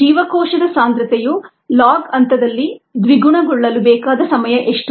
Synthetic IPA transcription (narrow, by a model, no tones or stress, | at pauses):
iːʋɐkɔːʂɐd̪ɐsaːnd̪ɾɐt̪ɛju | laːɡɐnt̪ɐd̪ɐlːid̪ʋiɡuɳɐɡɔɭːɐlubɛːkaːd̪ɐsɐmɐjɐʔeʂʈ